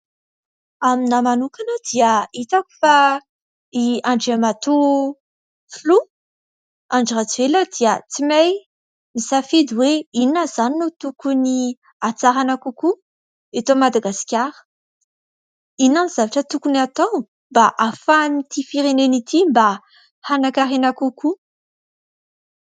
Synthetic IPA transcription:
aminamanukanəd̪iəit̪akʲu̥fa | iaɳɖ͡ʐemat̪u | flu | aɳɖ͡ʐirat͡sueləd̪̥iət͡simaj | misafid̪iweininəzaninut̪ukuni | at͡saɾanakuku | et̪omad̪aɡaskʲaɾə̥ | inaniz̥avaʈ͡ʂət̪ukuniat̪ow | mbaʔafanit̪ifiɾenenit̪ʰimba | hanakaɾenakuku

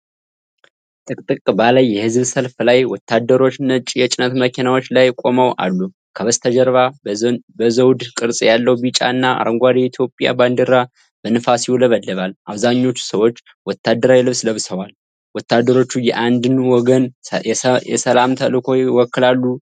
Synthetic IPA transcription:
t̪ʼɨkʼt̪ʼɨkʼbalajːɛhɨzβsəlflajwɔt̪ʰːad̪ːəɾo̞t͡ʃːnət͡ʃʼːijɛt͡ʃʼɪnət̪məkʰinawo̞t͡ʃːlajkʼo̞məwa̰lːu | kʰəβəst̪ʰəd͡ʒəɾβabəzəwd̪kʼɨɾsʼjalːəwbit͡ʃʼa̰ɨnːaa̰ɾəŋɡʷaɾiɛit̪ʰjo̞pʼja̰band̪ɨɾa | b̥ənɨfasjiwuləβəlːəβalʔaβzaɲːo̞t͡ʃːu̥səwo̞t͡ʃː | wɔt̪ʰːad̪ːəɾawjlɨβsləβsəwal | wɔt̪ːad̪ːəɾo̞t͡ʃːujɛʔand̪ɨnwɔɡən | jɛsəlamt̪ʰəlɨkʰo̞jwɔkːɨlalːu

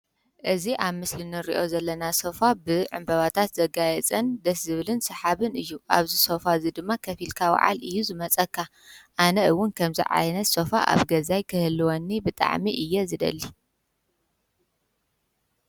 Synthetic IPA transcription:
ʔɨziʔaβmɨslinɨɾḭʔo̞zɐlːɐnasofabɨʕɨ̰mbɐβat̪ʰat̪zɐɡajɛt͡sʼɐnd̪ɐszɨβɨlɨnsɐħaβɨnɨjːuʔa̰βzisofazid̪ɨmːakʰɐfilkʰawa̰ʕa̰lɨjːuzɨmɐt͡sʼɐkʰːa | ʔanɐɨwːʊnkʰɐmzḭʕa̰jnɐt̪sofaʔa̰βɡɐzajkʰɨhɨlːɨwonːibɨt̪ʼa̰ʕmiʔɨjːezɨd̪ɐ̰lːi

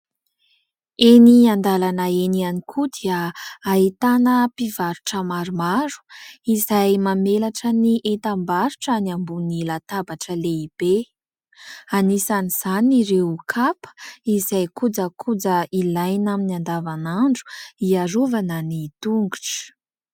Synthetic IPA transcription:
eniand̪alanəenianikʰud̪iəaɦit̪anəpivaɾuʈ͡ʂəmaɾumaɾu̥izajmamelaʈ͡ʂəniʔet̪ambaɾuʈ͡ʂaniambunilat̪abaʈ͡ʂəleib̥e | anisaniz̥aniɾewkʰapə̥izajkud͡zəkʰud͡zəilajnaminiand̪avanaɳɖ͡ʐu̥iaɾuvanənit̪uŋɡuʈ͡ʂə̥

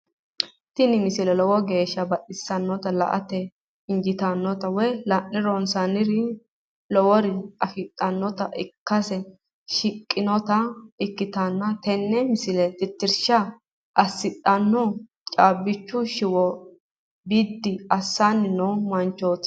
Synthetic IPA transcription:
t̪ɪnɪmɪsɪlɛlɔwɔɡe̞ːʃːɐbɐʔɪsːɐnːɔt̪ɐlɐ̰ʔɐ̰t̪ɛ | ɪnd͡ʒɪt̪ɐnːɔt̪ɐwɛjlɐnːɪɾonsanɪɾɪ | lɔwɔɾɪɐfɪt̪ʼːɐnːɔt̪ɐʔɪkːɐsɛ | ʃɪkʼːɪnɔt̪ɐɪkːɪt̪ɐnːɐt̪ɛnːɛmɪsɪlɛt̪ɪt̪ːɪɾʃɐ | ʔɐsːɪt̪ʼːɐnːɔ | t͡ʃʼaːbɪt͡ʃːʊʃɪwɔ | bɪd̪ːɪɐsːanːɪnɔmɐnt͡ʃːoːt̪

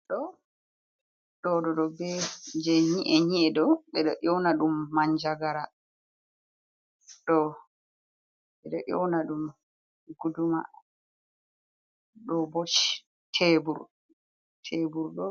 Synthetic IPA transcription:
ɗɔ | ɗɔɗɔɗɔbɛd͡ʒɛɲiʔɛɲiɛɗɔɓɛɗɔ̰ʔɔwnaɗumːaɲd͡ʒaɡaɾa | ɗɔ | ɓɛɗɔʔɔwnaɗum | ɡuduma̰ | ɗɔbot͡ʃi̥ | tʰebuɾ | tʰebuɾɗɔ

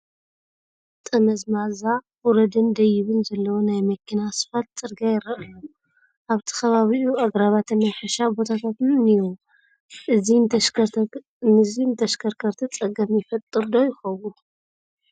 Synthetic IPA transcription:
t̪ʼɐmɐzmaza | ɔɾɐd̪ɨnd̪ɐjɪβɨnzɐlːɐwonajmɐkʰːinasɨ̥fat̪̚t͡sʼɨɾɡajɪɾɐʔɐjo | ʔaβt̪ʰi̥xɐβaβiʔuaɡɾaβat̪ʰɨnːajħɨʃabo̞t̪ʰat̪ʰat̪ɨnɨnij | ʔɨzi | nɨzint̪ʰɐʃkʰɐɾkʰɐɾt̪ʰit͡sʼɐɡɐmjɪfɐt̪ʼːɨɾd̪o̞jɪxɐwu

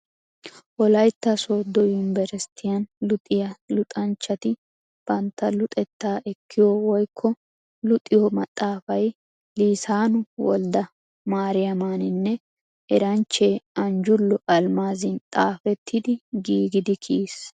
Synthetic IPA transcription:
ʔɔlɐjt̪ːɐsoːd̪ːɔjʊnɪbɛɾst̪ʰɪjɐnlʊt̪ʼɪjɐlʊt̪ʼɐnt͡ʃːɐt̪ɪ | b̥ɐnt̪ːɐlʊt̪ʼɛt̪ːaːʔɛkːɪjowɔjkʰːɔ | lʊt̪ʼːɪjɔmɐt̪ʼːaːfɐj | liːsaːnʊwɔ̰ld̪ɐ | maːɾɪjɐmaːnɪnːɛ | ɛɾɐnt͡ʃːeːɐnd͡ʒʊlːɔʔɐlmaːzɪnt̪ʼaːfɛt̪ʰːɪd̪ɪɡiːɡɪd̪ɪkʰiːs

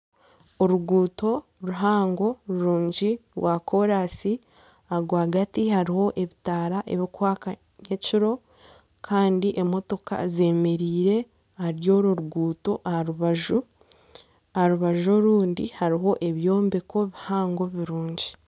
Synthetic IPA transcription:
oɾuɡuːto̞ | ɾuɦaːŋɡo̞ɾuɾuːɲɟiɾwako̞ɾasi | aɡwaːɡatihaɾiho̞ʔe̞βitaːɾaʔe̞̰βikwaːka | ɲeciɾo̞ | kʰaːndiʔe̞mo̞to̞ka̰ze̞ːme̞ɾiːɾe̞ | haɾjo̞ːɾuɾuɡuːto̞ʔahaɾuβaʒu | ahaɾuβaʒoɾuːndihaɾiɦo̞ʔe̞βjo̞ːmbeko̞βihaːŋɡo̞βiɾuːɲɟi

